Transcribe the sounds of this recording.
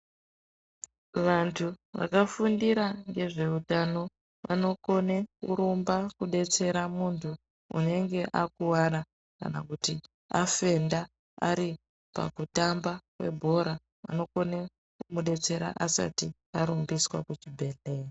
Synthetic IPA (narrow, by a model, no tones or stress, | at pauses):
ʋantʰuʋa̰kafundiɾaŋɡe̞ʐe̞utano̞ | ʋʔa̰no̞ko̞nekṵɾombakuɗe̞t͡se̞ɾamuntʰu | ṵne̞ŋɡe̞ʔakuwaɾa | ka̰nakuti | afe̞nda | aɾi | pa̰kutambakwe̞̰bʱo̞ɾa | ʋa̰no̞ko̞ne | kumuɗe̞t͡se̞ɾa̰ʔasa̰ti | aɾumbiswakut͡ʃibʱe̞le̞ːa